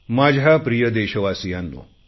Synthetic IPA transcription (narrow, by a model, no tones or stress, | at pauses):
mad͡ʑʱjapɾijəd̪eɕəʋasijanːṵ